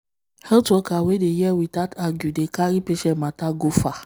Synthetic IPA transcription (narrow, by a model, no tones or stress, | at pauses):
hɛtokawedejɛwitataɡudekaɾipeʃɛmataɡofa